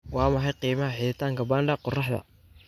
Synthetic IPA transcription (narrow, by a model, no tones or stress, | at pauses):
wɑːmɑħɑjqiːmɐɦɐħɪːðɪt̪ʰaːŋkʰɐbaːnɖɐqʊrɑħðɐ̰